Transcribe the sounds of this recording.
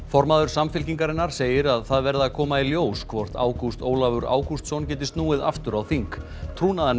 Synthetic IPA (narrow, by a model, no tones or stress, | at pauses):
fɔɾmaðʏɾ̥samfɪlciŋkaɾɪnːaɾ̥seːjɪɾaðθaðvɛɾðakʰɔːmailjoːwskʰvɔr̥t̪a̰ːwkust̪oːwlavʏɾa̰ːwkust̪sɔwncɛːt̪̬ɪst̪nuːɪða̰ft̪ʏɾawθiŋk | t̪ʰɾuːnaða